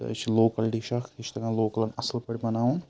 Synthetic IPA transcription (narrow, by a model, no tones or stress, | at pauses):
ɐ̰t͡ʃʰiloːkɐlʈiʃɐxiʃt̪ɐɡãloːkɐlɐnɐslpɐɽʲibɐnaːun